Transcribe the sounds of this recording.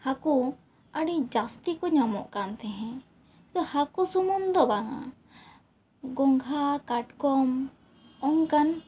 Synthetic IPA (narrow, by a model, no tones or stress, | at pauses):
haku | aɖid͡ʒast̪ikɔɲamɔ̰ʔkant̪ɛɦɛ̃ | t̪ɔhakusumund̪ɔbaŋa̰ | ɡɔŋɡʱakaʈkɔm | ɔŋkan